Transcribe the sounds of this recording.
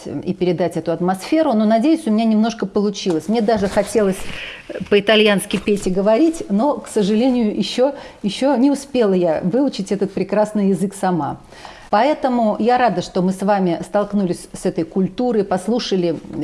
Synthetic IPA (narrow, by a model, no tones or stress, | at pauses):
ḭpʲɪɾʲɪd̪atʲɛt̪ʊɐt̪mɐsfʲe̞ɾʊno̞nɐdʲejʊsʲʊmʲɪnʲanʲɪmno̞ʂkəpəlˠʊt͡ɕilˠəsʲmnʲed̪aʐɨxɐtʲe̞lˠəsʲpəɪt̪ɐlʲjanskʲɪjpʲetʲɪɡəvɐɾʲitʲno̞ksəʐɨlʲenʲɪjʊʔɪɕːojɪɕːonʲɪʊspʲe̞lˠəjavɨʊt͡ɕɪtʲɛt̪ət̪̚pɾʲɪkɾasnɨjɪzɨksɐma | pɐɛt̪əmʊjaɾad̪əʂt̪o̞mɨsvamʲɪst̪ɐlˠknulʲɪsʲsɛt̪əjkʊlʲt̪uɾɨpɐslˠuʂəlʲɪ